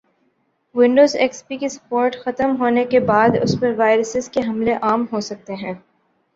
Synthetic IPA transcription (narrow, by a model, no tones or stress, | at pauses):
ʋɪ̃ɳɖoːzɛkspikesɐ̥poːɾʈxɐt̪əmɦoːnekebaːd̪ʊ̰spɐɾʋaːɪɾəsɪzkeɦɐmleʔaːmɦosɐk̚t̪eɦɛ̃ː